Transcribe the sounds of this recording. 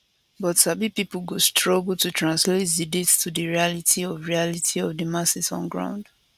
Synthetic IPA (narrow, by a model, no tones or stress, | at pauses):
bɔtsabipipl̩ɡostʰɹɔɡl̩ˠtutɹãnslet̚dɨdetstʰudɨɹialitʰiɔvɹialitʰiɔvdəmasɪsɔ̰̃nɡɹã̰ʊ̃nd̥